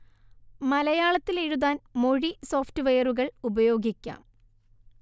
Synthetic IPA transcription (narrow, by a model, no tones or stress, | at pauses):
mɐlɐjaːɭɐt̪ːileɻuðaːnmo̞ɻiso̞ːftɨʋejɐruɣɐɭubɐjo̞ːɡikʲːa̰ːm